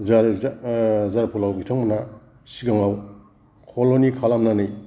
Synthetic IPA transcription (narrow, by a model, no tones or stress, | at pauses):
zaɾ | zaɾpʰulawbitʰaŋmana | siɡaŋaw | kʰolonikʰalamnanɯj